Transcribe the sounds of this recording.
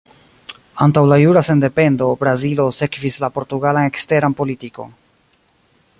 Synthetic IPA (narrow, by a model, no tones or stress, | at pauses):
antawlajuɾase̞nde̞pe̞ndo̞bɾazilo̞se̞kvislapo̞ɾtuɡalane̞kste̞ɾanpo̞litiko̞̰n